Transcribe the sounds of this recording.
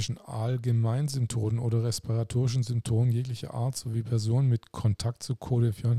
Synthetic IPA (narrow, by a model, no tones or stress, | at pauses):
ɪʃn̩a̰lɡəmaɪnzʏmptʰoːnənʔoːdɐʁɛspʰiʁatʰoːʁɪʃ̬n̩zʏmptʰoːmənjeːklɪçɐ̰ʔa̰ɐtz̥oviːpʰɛɐzoːnənmɪtkʰɔntʰak̚tt͡sukʰoːdɛɐfiːɐʊn